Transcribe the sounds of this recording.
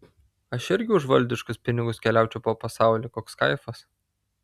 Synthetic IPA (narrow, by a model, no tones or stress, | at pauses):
ɐʃɪɾʲɡʲɪʊʒʋɐlʲd̪ʲɪʃkʊspʲɪnʲɪɡʊskʲɛlʲæˑʊt͡ʃʲɛʊpoːpɐsɑˑʊlʲiːkoːkskɐɪfɐs